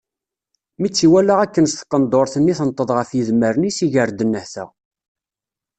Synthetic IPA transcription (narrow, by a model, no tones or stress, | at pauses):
mit͡sːiwælaʁækːənst̪ə̥qːənd̪oɾθənːiθənt̪ˤːəðˤʁəfjəðməɾnisiʝəɾd̪ənːəhθæ̰